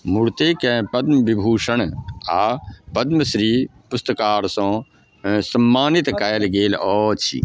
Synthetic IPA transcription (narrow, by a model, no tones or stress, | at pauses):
mʊɽt̪eːkɛ̃pɐd̪məbibʱuːʃəɳaːpɐd̪məsɾiːpʊst̪əkaːɾsõː | sɐmːaːnɪt̪kajlɡeːlɔːt͡ʃʰḭ